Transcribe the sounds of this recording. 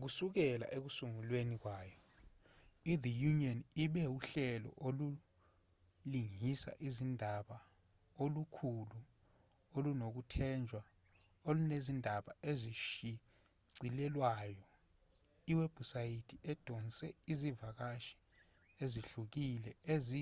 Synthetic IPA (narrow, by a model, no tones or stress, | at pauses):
k̬usuk̬ɛla̰ʔek̬usuŋulwenik̬waːjɔ | iðijuniɔniɓɛuɬɛlɔ̰ʔolu | liŋisa̰ʔizindʱaɓa | olukʰulu | olunok̬utʰɛnd͡ʒʱwa | olunezindʱaɓaeziʃi | ǀʱilɛlwajɔ | iweb̥usajitʰiʔɛd̥ʱɔnsʼɛizivak̬aʃi̥ | eziɬuk̬ilɛezi